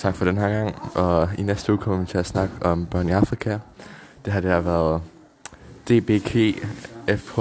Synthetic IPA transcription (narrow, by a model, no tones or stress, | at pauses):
t͡sʰɑ̈ɡ̥fɒ̽ɾ̥enɦæɐ̰ɡ̥ɑ̈ŋ̰ɒ̽inesd̥əṵːkʰɒ̽m̰ɐʋit͡sʰe̝æsnɑ̈ɡ̥əɒ̽mb̥ɶɐ̰niɑ̈fʁikʰæd̥e̝ɦɑ̈d̥eæʋæɐð̩ˠ | d̥e̝̰ːb̥e̝̰ːkʰe̝̰ːefʰ